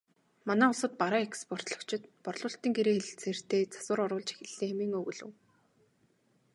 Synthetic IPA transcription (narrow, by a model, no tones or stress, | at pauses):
manæːʊɮsə̆t̪̚paɾaːekspʰɔr̥t̪ɮɞ̆kt͡ɕʰɪ̆t̪pɔrɮʊːɬt̪iːŋɡeɾeːxeɮɘ̆ɬt͡sʰer̥t̪eːt͡sʰḁsə̆ɾɔɾʊːɮt͡ɕe̥xʲɪ̆ɮːeːŋxemiːŋɵɣɵ̆ɮɵ̆w